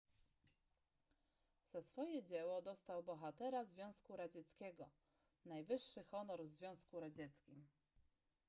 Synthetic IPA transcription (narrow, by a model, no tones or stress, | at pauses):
z̥asfɔjɛd͡ʑɛwɔd̪ɔst̪awbɔxat̪ɛɾazvʲjɔ̃w̃skuɾad͡ʑɛt̪skʲɛɡɔ | najvɘʂːɘxɔnɔɾzvʲjɔ̃w̃skuɾad͡ʑɛt̪skʲim